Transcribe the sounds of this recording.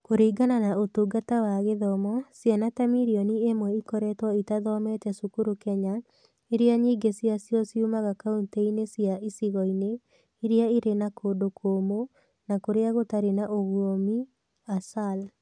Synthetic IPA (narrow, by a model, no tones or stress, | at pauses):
koɾiːɡananaotuɡatawaɣeðɔmɔsjanatamiɾiɔniemwɛikɔɾɛtwɔitaðɔmɛtɛsukuɾokɛɲa | eɾeaɲiːɡesjasjɔsjumaɣakaunteinesjaisiɣɔine | iɾeaiɾenakʰoːdokʰoːmo | nakoɾeaɣotaɾenaʔoɣwomi | asal